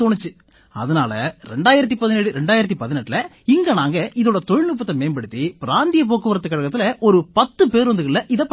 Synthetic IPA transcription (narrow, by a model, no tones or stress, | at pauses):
t̪oɳɪt͡ʃːɯ | ɐ̰ðɐna̰ːlɐɾɛ̰ɳɖaːjɪɾɐt̪̬ːipɐðɪneːɽɯɾɛɳɖaːjɪɾɐt̪̬ːipɐðɪnɐʈːlɐ | ɪŋɡɐnaːŋɡɐʔɪðoːɽɐt̪ɔɻɪnupːɐt̪ːɐmeːnbɐɽɯt̪ːipɪɾaːnd̪ɪjɐp̬oːkːɯʋɐɾɐt̪ːɯkːɐɽɐɣɐt̪ːɪlɐʔɔɾɯpɐt̪ːɯpeːɾʋɐnd̪ɯkɐɭːɐʔɪðɐp